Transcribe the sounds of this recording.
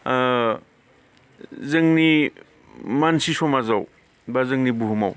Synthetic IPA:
zɯŋni | mansisɔmazaw | bazɯŋnibuɦuma̰w

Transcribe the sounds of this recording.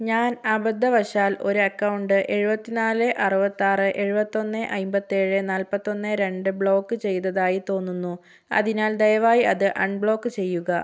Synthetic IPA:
ɲaːnɐbɐd̪ːɐʋɐʂaːlo̞ɾuɐkːɐwɳɖɨʔe̞ɻubɐt̪ːinaːlɨʔɐrɨbɐt̪ːaːrɨʔe̞ɻubɐt̪ːo̞nːɨʔɐjmbɐt̪ːieːɻɨnaːlpɐt̪ːo̞nːɨɾe̞ɳɖɨbɭo̞ːkːɨt͡ɕe̞jt̪ːɐðaːjit̪o̞ːnːunːu | ɐ̰ðinaːld̪ɐjɐʋaːjiɐðɨʔɐɳɖbɭo̞ːkːɨt͡ɕe̞jːuɣɐ

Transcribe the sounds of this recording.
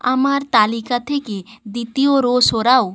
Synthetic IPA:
ə̰maɾt̪alikat̪ʰeked̪it̪ijoɾosoɾau

